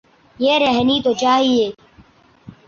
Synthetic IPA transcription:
jeːɾɛɦniːt̪ot͡ʃaːɦieː

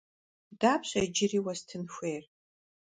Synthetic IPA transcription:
daːpʰɕʷad͡ʒɪriwaztʰɨnʃʷejr

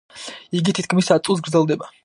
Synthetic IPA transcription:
iɡit̪ʰit̪̚kʰmisat̪sʼus̬ɡɾd̪zɛlˠd̪ɛba

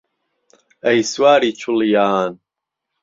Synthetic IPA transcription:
ɐjswaːɾiːt͡ʃʰʊljaːn

